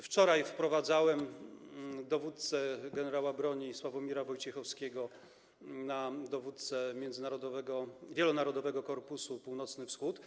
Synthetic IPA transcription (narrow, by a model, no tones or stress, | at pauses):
ft͡ʂɔɾajfpɾɔvad̪zawɛm | d̪ɔvut̪̚t̪sɛɡɛnɛɾawabɾɔɲiswavɔmʲiɾavɔjt͡ɕɛxɔfskʲɛɡɔ | nad̪ɔvut̪̚t̪sɛmʲjɛnzɘnaɾɔd̪ɔvɛɡɔvʲjɛlɔnaɾɔd̪ɔvɛɡɔkɔɾpusupuwnɔt̪snɘfsxut̪